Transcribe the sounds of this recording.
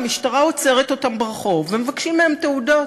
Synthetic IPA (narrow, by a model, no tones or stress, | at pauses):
miʃtaʁaot͡se̞ʁet̪o̞t̪ambʁaχo̞vemevakʃimːeemt̪eudo